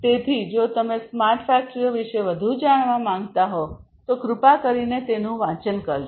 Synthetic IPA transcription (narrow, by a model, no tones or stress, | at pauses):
t̪et̪ʰid͡ʒot̪əmesmaɾʈfæk̚ʈɾioʋiʃeʋəd̪ʱud͡ʒaɽ̃ʋãmãŋɡt̪aɦo | t̪okɾʊpakəɾinet̪enũʋãt͡ʃənkəɾ